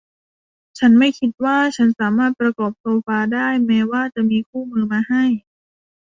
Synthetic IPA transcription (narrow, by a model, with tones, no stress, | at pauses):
t͡ɕʰa˦˥nma˥˩jkʰi˧˥t̪̚waː˥˩t͡ɕʰa˦˥nsaː˩˦maː˥˩t̪̚pɾa˧kɔː˨˩p̚soː˧faː˧daː˥˩jmɛː˧˥waː˥˩t͡ɕa˨˩ʔmiː˧kʰuː˥˩mɯː˧maː˧ha˥˩j